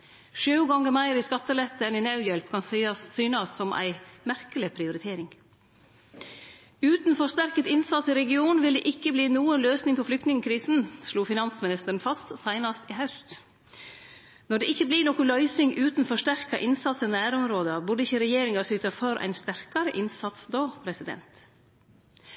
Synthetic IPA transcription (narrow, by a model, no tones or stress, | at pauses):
ʃʉːɡɑŋːəmæɪɾɪskɑt̪ːəlɛt̪ːəɛnɪnɑʉjɛlpkʰɑnsyːnɑsːɔmʔæ̰ɪmæɾkəlɪpʰɾɪʊɾɪt̪ʰeːɾɪŋ | ʉːt̪nfɔʂt̪æɾkət̪ɪnsɑt̪sɪɾɛɡɪuːnʋɪld̪ɛ̰ːʔɪkːəbliːnuːənløːsnɪŋpʰɔflʏkt̪nɪŋəkʰɾiːsn̩sluːfɪnɑnsmɪnɪst̪ən̩fɑst̪sæɪnɑst̪iɦɑʉst̪ | nɔɖɛʔɪçːəbliːnɔːkʊlœʏsɪŋʔʉːt̪n̩fɔʂtæɾkɑʔɪnsɑt̪sɔnæːɾɔmɾoːd̪əbʉɖəɪçəɾɛjeːɾɪŋɑsʏːt̪ɑfœɾʔæ̰ɪnst̪æɾkɑɾəʔɪnsɑt̪sd̪oːpʰɾɛsɪd̪ɛ̰nt̪